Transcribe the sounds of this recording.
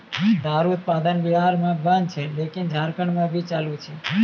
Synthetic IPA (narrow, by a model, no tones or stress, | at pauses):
d̪ʱaɾut̪̚pad̪ənʋiɦaɾmãbənt͡ʃʰelekind͡ʒʱaɾkəɳmãbʱit͡ʃalũt͡ʃʰe